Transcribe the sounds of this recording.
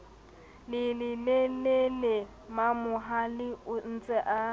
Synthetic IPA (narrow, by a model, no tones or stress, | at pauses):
lɪlɪlɛlele | mamʊɦalɪʊn̩t͡sʼɛʔa